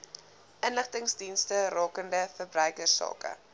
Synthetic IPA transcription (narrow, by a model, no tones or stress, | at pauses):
ʔənləχtəŋsdinstərɑːkəndəfərbrœɥkərsɑ̰ːkə̰